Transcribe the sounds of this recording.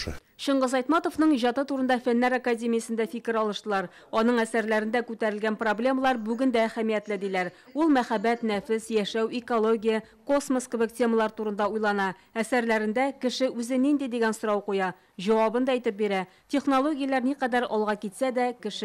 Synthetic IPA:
ɕɤ̆ɴɢʁɤzɒjt̪mɑt̪ovnɤɴʑɒt̪ɤt̪uɾɤ̆nd̪ɑfænːæɾakadʲemʲijəsɘ̆nd̪æfikɘɾɒlˠɤ̆ʃt̪ɤ̆lˠɑɾ | ɒnɤɴæsæɾlæɾɘ̆nd̪ækʉt̪æɾɘ̆lɡænproblʲe̞məlˠɑɾbʉɡɘnd̪æːχæmijæt̪lɘd̪ilæɾulˠmæχæbæt̪næfɘszjæʃæwɪkolˠo̞ɡʲijə | ko̞smoskɘ̆bɘktʲe̞məlˠɑɾt̪uɾɤ̆nd̪ɑujlˠɑnɑ | æsæɾlæɾɘ̆nd̪ækɘ̆ʃɘʉzɘnind̪id̪iɡænsŏɾɑwqujɑ | ʑɒwɑbɤnd̪ɑijt̪ɘp̚biɾæ | tʲeχnolˠo̞ɡʲɪjəlˠɑɾniqæd̪æɾɒlˠʁɑkit̪sæd̪ækɘ̆ʃɘ

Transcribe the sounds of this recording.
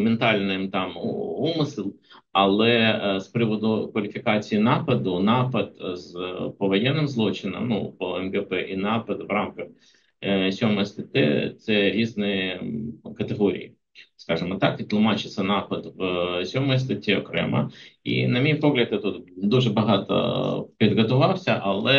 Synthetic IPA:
ment̪ɑlʲnɪmt̪ɑmumɪsɨlˠ | ɐlˠɛspɾɪʋɔd̪ʊkʋɐlʲifʲɪkɑt͡sʲijinɑpɐd̪ʊnɑpɐd̪zpɔʋɔjɛnːɪmzlˠɔt͡ʃɪnɔ̰mnṵpɔɛmɡɛpɛʔinɑpɐd̪ʋrɑmkɐx | sʲɔmɔjst̪ɐt̪ʲɛ̰t̪sɛɾʲiznɪ | kɐt̪eɦɔɾʲḭjḭ | skɑʒɪmɔt̪ɑkʋʲit̪lˠʊmɑt͡ʃɪt̪sʲɐnɑpɐd̪ʋsʲɔmɔjst̪ɐtʲiɔkɾɛ̰mɐ̰ḭnɐmʲijpɔɣlʲɐd̪ɐt̪ut̪d̪uʒɛbɐɦɑt̪ɐ̰pʲid̪ɣɔt̪ʊʋɑwsʲɐʔɐlˠɛ

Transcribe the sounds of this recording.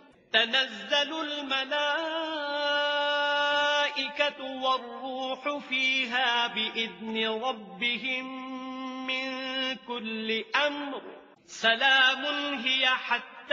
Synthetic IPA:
t̪anazːalʊlmalaː | ʔɪkawɑrːuːħʊfiːɦaːbɪʔɪðnɪɾˤɑbːɪɦɪmː | ɪnkʊlːɪʔamɾ | salaːmʊnɦɪjaħat̪ː

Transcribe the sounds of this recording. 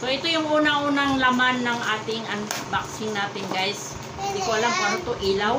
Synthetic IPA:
soʔɛt̪ojʊŋʔuːnɐʔuːnɐŋlɐmanːɐŋʔaːt̪ɪŋʔɐnbaksɪŋnaːt̪ɪŋɡajs | hɪnd̪ikoʔɐlaŋpaɾɐt̪oʔilaw

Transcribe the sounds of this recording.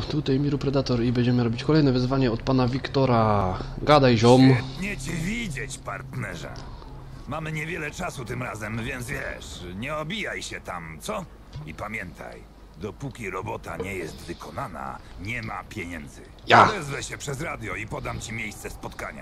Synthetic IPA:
t̪ut̪ajmʲiɾupɾɛd̪at̪ɔɾibɛɲd͡ʑɛmɘɾɔbʲit͡ɕkɔlɛjnɛvɘzvaɲɛɔt̪̚panavʲikt̪ɔɾaɡad̪ajʑɔmt̪ɲɛt͡ɕivʲid͡ʑɛt͡ɕpaɾt̪nɛʐɛ̰ | mamɘɲɛvʲjɛlɛt͡ʂasut̪ɘmɾazɛmvʲjɛnd̪zvʲjɛ̰ʂɲɛɔbʲijajɕɛt̪amt̪sɔ | ipamʲjɛnt̪ʰa̰j | d̪ɔpukʲiɾɔbɔt̪a̰ɲɛjɛst̪vɘkʰɔnana̰ɲɛmapʲjɛɲɛnd̪zɘ | jaɛzvɛɕɛpʂɛzɾad̪ʲjɔipɔd̪amt͡ɕimʲjejst̪sɛspɔt̪kaɲa̰

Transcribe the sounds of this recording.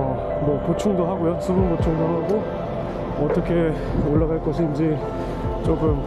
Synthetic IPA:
ʌ | mʌpot͡ɕʰuŋdoɦaɡojosʰubunkot͡ɕʰuŋdoɦaɡo | ʌt͈ʌkʰe | oɭːaɣaɭk͈ʌsʰɯind͡ʑi | t͡ɕ͈okɯm

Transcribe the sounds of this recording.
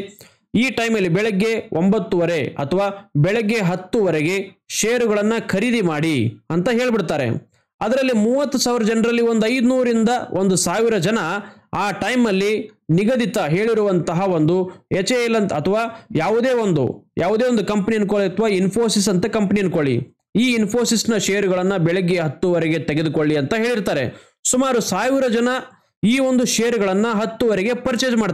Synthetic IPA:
iːʈɐjmɐlːibɛɭɐɡːe̞ʔombɐt̪ːuʋɐɾe̞ɐ̰t̪ʰɐʋaːbɛɭɐɡːe̞ɦɐt̪ːuʋɐɾeɡe̞ʃeːjɐɾuɡɐɭɐnːɐkʰɐɾid̪imaːɽiɐnt̪ɐɦe̞ːɭbiɽt̪aːɾḛ | ɐd̪ɐɾɐlːimuːʋɐt̪ːusaːʋiɾɐd͡ʒɐnɾɐlːio̞nd̪uɐjd̪unuːɾind̪ɐʔond̪usaːʋiɾɐd͡ʒɐnɐaːʈɐjmɐlːiniɡɐd̪it̪ɐɦe̞ːɭiɾuʋɐnt̪ɐɦɐo̞nd̪uet͡ʃelːɐnt̪ɐt̪ʰɐʋaːjaːʋud̪e̞ːo̞nd̪ṵjaːʋud̪eːond̪ukɐmpɐnienkoɭiɐt̪ʰɐʋaːinpʰo̞ːsis̬ɐnt̪ɐkɐmpɐnienkoɭḭ | iːinpʰoːsisnɐʃejɐɾuɡɐɭɐnːɐbɛɭeɡːeɦɐt̪ːuʋɐɾɛɡe̞t̪eɡed̪uko̞ɭːiɐnt̪ɐɦe̞ːɭiɾt̪aːɾḛ | sumaːɾusaːʋiɾɐd͡ʒɐnɐ | iːʋo̞nd̪uʃeːjɐɾuɡɐɭɐnːɐɦɐt̪ːuʋɐɾɛɡe̞pɐɾt͡ʃeːd͡ʒmaː

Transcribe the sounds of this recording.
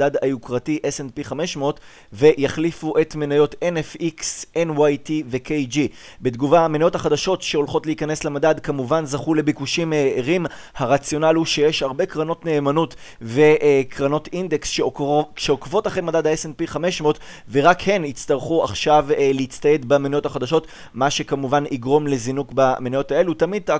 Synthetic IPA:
dadajukʁatiʔesenpiχame̞ʃmo̞t | ve̞jaχlifuʔe̞tmenajo̞tenefiksenwajtive̞kejd͡ʒi | bedɡuvaamenajo̞thaχadaʃo̞tʃe̞o̞lχo̞tleikane̞slemadadkamuvanzaχule̞bikuʃimeːʁim | haʁat͡sjo̞nalhuʃe̞jeʃhaʁbe̞kʁano̞tne̞ːmanut | ve̞ʔkʁano̞tind̪eksʃeʃeokvo̞taχejmadadaesenpiχame̞ʃmo̞t | veʁakhe̞nit͡st̪aʁχua̰χʃavleit͡st̪aje̞dbamenajo̞thaχad̪aʃo̞t | maʃe̞kamuvaniɡʁo̞mle̞zinukbamenajo̞tae̞lutamid̪a

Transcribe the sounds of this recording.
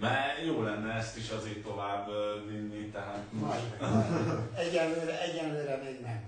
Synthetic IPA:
mɛjoːlɛnːɛɛst̪iʃɒzeːrt̪o̞vaːbvinːit̪ɛɦaːt̪m | ɛɟːɛlløːɾɛʔɛɟːɛnløːɾɛmeːɡnɛm

